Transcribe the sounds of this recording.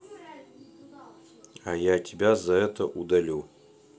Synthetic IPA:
ajatʲɪbʲazɐɛt̪əʔud̪ɐlʲu

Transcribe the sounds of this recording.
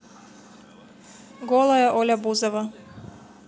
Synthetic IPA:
ɡɔlˠaɛʔolʲabuzava

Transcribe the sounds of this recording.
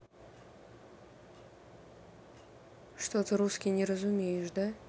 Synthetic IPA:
ʂt̪ot̪əɾuskʲɪjnʲɪɾəzʊmʲejɪʐd̪a

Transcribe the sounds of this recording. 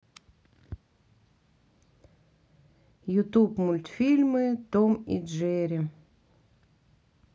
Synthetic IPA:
jʊt̪upmulʲt̪fʲilʲmɨt̪omḭdʒeɾʲɪ

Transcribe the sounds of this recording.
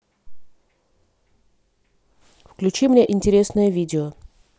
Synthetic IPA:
fklʲʉt͡ɕimnʲeʔɪnʲtʲɪɾʲe̞snəjəvʲidʲɪo

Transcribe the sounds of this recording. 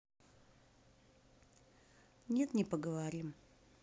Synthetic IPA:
nʲe̞t̪nʲɪpəɡəvaɾʲim

